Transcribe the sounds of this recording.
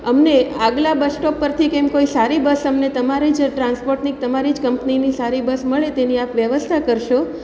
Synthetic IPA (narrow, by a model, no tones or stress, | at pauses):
əmneaɡlabəsʈɔpːəɾt̪ʰikɛ̃mkoisaɾibəsəmnet̪əmaɾid͡ʒʈɾanspoɾʈnik̚t̪əmaɾid͡ʒkəmpninisaɾibəsməɭet̪eniapʋjəʋəst̪ʰakəɾʃo